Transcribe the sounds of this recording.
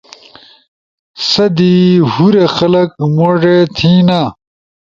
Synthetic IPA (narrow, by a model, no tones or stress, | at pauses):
sɐd̪ihuɾexɐlɐkmoʐet̪ʰiːnaː